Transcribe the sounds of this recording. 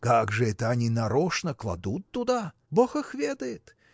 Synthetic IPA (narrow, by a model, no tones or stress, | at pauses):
kaɡʐɨɛt̪əɐnʲinɐɾoʂnəklˠɐ̰d̪ut̪ːʊd̪a | boxɐxvʲed̪əjɪt̪